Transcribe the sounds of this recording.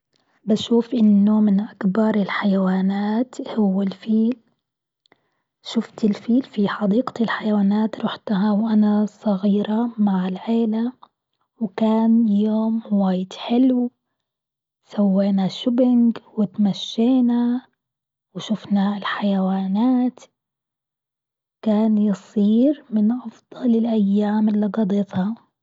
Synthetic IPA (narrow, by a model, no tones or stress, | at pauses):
baʃuːfʔɪnːʊmɪnʔakbɑɾˤɪlħajawaːnaːt̪hʊwːalfiːl | ʃʊft̪ɪlfiːlfiħɑd̪iːɡ̪ɪlħajawaːnaːt̪ɾˤʊħt̪aɦawʔanasˤɑɣiːɾamaʕɪlʕeːla | wkaːnjoːmwaːjɪd̪ħɪlw | sawːeːnaʃʊbɪŋɡwɪt̪maʃːeːna | wɪʃʊfnaɪlħajawaːnaːt̪ | kaːnjɨsˤiːɾmɪnʔɑfd̪̥ˤɑlɪlʔajːaːmɪlːiɡɑd̪ˤɪt̪hɑ